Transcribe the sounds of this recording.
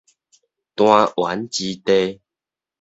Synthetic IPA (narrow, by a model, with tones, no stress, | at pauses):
t̪w̃ã˧ʔwa̰˨˦nt͡ɕi˧t̪e˧